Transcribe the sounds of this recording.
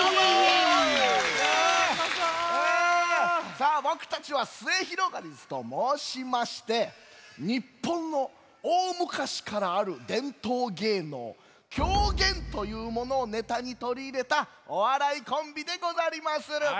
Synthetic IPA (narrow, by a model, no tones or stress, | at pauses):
e | saːbo̞kɯ̟̥t̪at͡ɕiβasɨe̞çiɾo̞ɡaɾʲizɨ̥t̪o̞moːɕimaɕi̥t̪e̞ | ɲ̟ipːõ̞nːo̞ | oːmɯ̟kaɕi̥kaɾaːɾɯ̟d̪ẽ̞nt̪oːɡe̞ːno̞̰ː | kʲʰo̞ːɡẽ̞nt̪o̞jɯ̟ːmo̞no̞ːne̞t̪aɲ̟it̪o̞ɾʲiːɾe̞t̪a | o̞βaɾaikõ̞mbʲid̪e̞ɡo̞zaɾʲimasɨ